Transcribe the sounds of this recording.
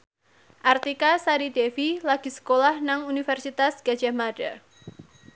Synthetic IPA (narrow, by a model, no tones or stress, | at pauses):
ʔart̪ikasaɾidefilaɡ̥i̤sə̥kolahnaŋunifɛrsit̪asɡ̥ḁd͡ʒ̥amaɖa